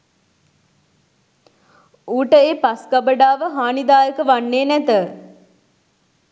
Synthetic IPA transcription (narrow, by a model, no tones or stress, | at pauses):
uːʈəeːpaskabəɖaːʋəɦaːnid̪aːjəkəʋanːeːnæt̪ə